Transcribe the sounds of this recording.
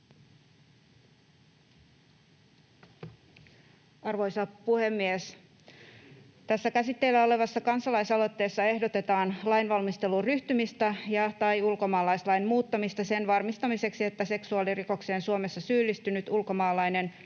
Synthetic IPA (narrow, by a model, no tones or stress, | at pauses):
ɑrʋo̞jsɑpuhe̞mːies | t̪æsːækæsit̪ːeilːæo̞le̞ʋɑsːɑkɑnsɑlɑjsɑlo̞t̪ːe̞ːsːɑe̞hdo̞t̪e̞t̪ɑːnlɑjnʋɑlmist̪e̞lurryht̪ymist̪æjɑt̪ɑjulko̞mɑːlɑjslɑjnmuːt̪ːɑmist̪ɑse̞nʋɑrmist̪ɑmise̞ksie̞t̪ːæse̞ksuɑliriko̞kse̞ːnsuome̞sːɑsyːlːist̪ynyt̪ulko̞mɑːlɑjne̞n